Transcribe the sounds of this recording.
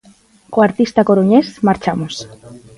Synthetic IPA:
koaɾt̪ist̪akoɾoɲesmaɾt͡ʃamos

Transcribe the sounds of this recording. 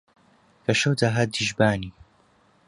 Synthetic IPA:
kɐʃɐwd̪aɦad̪iʒbaːni

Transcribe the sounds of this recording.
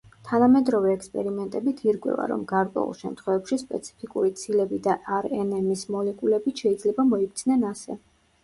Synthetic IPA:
t̪ʰanamɛd̪ɾɔvɛːkspʼɛɾimɛnt̪ʼɛbit̪ʰiɾkʼwɛ̰va̰ɾɔ̰mɡaɾkʼwɛ̰ṵlˠʃɛmt̪ʰχwɛvɛpʃispʼɛ̰t̪sʰi̥pʰikʼuɾit̪sʰilɛbid̪aʔaɾɛnɛmismɔlɛkʼulɛbit̪ʃɛid̪zlɛbamɔik̚ʰt̪sʰnɛnasɛ

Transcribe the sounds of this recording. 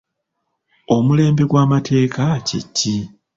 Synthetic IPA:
o̞mule̞ːmbe̞ɡwaːmatʰe̞ːkʰacḭcːi

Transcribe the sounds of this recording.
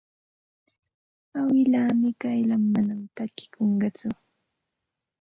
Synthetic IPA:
awɪlaːmɪkajlamːanamt̪akɪ̥kʰoɴɢɑt͡sʊ

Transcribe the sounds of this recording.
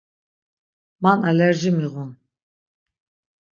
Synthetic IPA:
manalɛɾʒimiʁun

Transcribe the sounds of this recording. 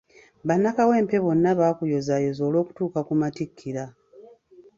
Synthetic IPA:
βanːakawe̞ːmpe̞βo̞nːaβaːkujo̞zajo̞zo̞ːlo̞ːku̥tuːkakumatikʰːiɾa

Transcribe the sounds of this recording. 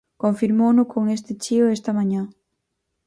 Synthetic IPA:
kõɱfiɾmownʊkʰoŋest̪ɪt͡ʃiʊest̪ɐmãɲã

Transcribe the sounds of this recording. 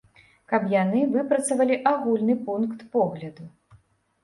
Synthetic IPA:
kɐpjanɨvɨpɾɐt̪sɐvɐlʲiʔaɣulʲnɨpunkt̪pɔɣlʲɐd̪u

